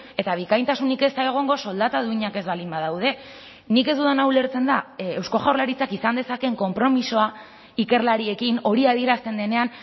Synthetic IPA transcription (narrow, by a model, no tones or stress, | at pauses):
e̞t̪aβ̞ikajnt̪asunike̞st̪ae̞ɣ̞o̞ŋɡo̞so̞ld̪at̪aðuiɲake̞zβalimbaðawð̞e̞ | nike̞zd̪uðanawle̞ɾt͡se̞nd̪aewsko̞ʝawɾlaɾit͡sakisand̪e̞sake̞ŋko̞mpɾo̞miso̞a | ike̞ɾlaɾie̞kino̞ɾiaðie̞ɾast̪e̞nd̪e̞ne̞an